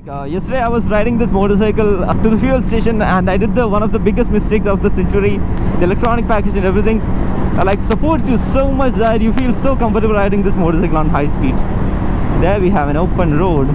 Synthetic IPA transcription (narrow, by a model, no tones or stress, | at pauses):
jɛsʈəɖeːaɪʋɔzɾaɪʈɪ̃ŋd̪ɪsmoːʈəɾs̬aɪkəlʈuːd̪əfilsʈeːʃə̃næ̃ɳɖaɪɖɪɖ̚d̪əʋʌ̃nɔfd̪əbɪɡəsʈmɪsʈɪksɔfd̪əsɛ̃nt͡ʃuɾid̪ielɛk̚ʈɾɔːnɪk̚pæked͡ʒɛ̃neʋɾit̪ɪ̃ŋlaɪksəpoːʈsjusoːmʌt͡ʃd̪æʈjuːfiːlsoːkʌ̃mfəʈəbəlɾaɪʈɪ̃ŋd̪ɪsmoːʈəsaɪkəlɔ̃ːnɦaɪspiːɖs | d̪eɾʋiːɦæʋæ̃noːpə̃nɾoːɖ